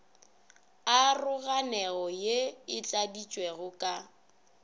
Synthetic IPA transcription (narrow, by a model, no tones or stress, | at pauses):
arʊɣanɛɣɔjeɪt͡ɬʼadit͡ʃʼweɣʊkʼa